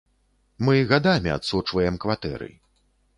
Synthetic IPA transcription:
mɨɣad̪amʲia̰t̪sut͡ʂvɐjɛmkvat̪ɛ̰ɾɨ̰

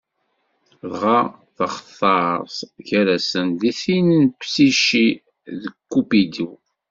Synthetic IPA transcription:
ðʁɑθəχəθˤɑɾˤsʝæɾæsənðiθinnpsiʃi | ðəkːupid̪u

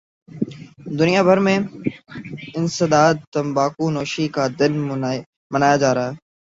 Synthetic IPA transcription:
d̪ʊnijaːbʱəɾmẽː | ɪnsəd̪aːd̪̚t̪əmbaːkuːnoːʃiːkaːd̪ɪn | mənaːjaːd͡ʒaːɾɦɛː

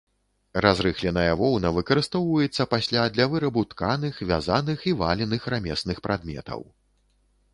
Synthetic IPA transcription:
razɾɨxlʲɛnɐjɐvɔwnɐvɨkɐɾɨst̪ɔwvɐjɛt̪sːɐpasʲlʲad̪lʲɐvɨɾɐbut̪kanɨxvʲa̰zanɨxivalʲɛnɨxramʲɛsnɨxpɾʔad̪mʲɛ̰t̪ɐ̰w

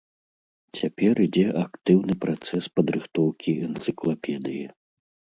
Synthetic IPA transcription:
t͡sʲapʲɛrid͡zʲɛʔakt̪ɨwnɨpɾat̪sɛspɐd̪ɾɨxt̪ɔwkʲiɛnt̪sɨklˠapʲɛd̪ɨji

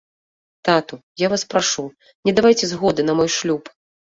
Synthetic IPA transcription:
t̪at̪ujavaspɾaʂu | nʲɛd̪avajt͡sʲɛzɣɔd̪ɨnɐmɔjʂlʲup

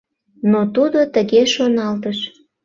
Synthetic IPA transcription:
not̪ud̪ot̪əɣeʃonɑlt̪əʃ

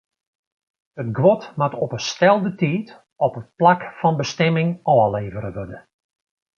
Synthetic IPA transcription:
ətɡʋɔtmatɔpəstɛlˠdətiːt | ɔpət̚plakfɑnbəstɛmɪŋɔːleːvəɾəʋødə

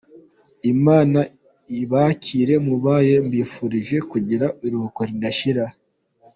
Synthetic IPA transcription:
imaːna | iβacʰiːɾe̞muβaːje̞mbiːfuɾiʒe̞kuɟiɾaiɾuhukoɾindaʃiɾa

